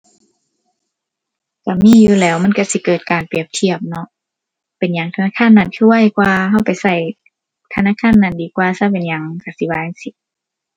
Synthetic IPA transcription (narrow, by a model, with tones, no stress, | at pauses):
ka˧˩miː˧˥˨juː˧lɛː˦˥wma˧˥˨nka˧˩si˧˦kɤː˨˩t̪̚kaː˨npi˨˩əp̚t̪ʰi˧˨əp̚nɔ˧ʔ | pe˨nɲa˨˦ŋt̪ʰa˧naː˧˥˨kʰaː˧˥˨nːa˧˩˨nkʰu˧˨wa˧˥˨jkwaː˧ɦa˧˩˨wpa˨jsa˧˩j | t̪ʰa˧naː˧˥˨kʰaː˧˥˨nːa˧˩ndiː˨˦kwaː˧sa˧˩pe˨nɲa˨˩ŋka˧˩si˧˦waː˧˨e˧˨nsi˧˦t̚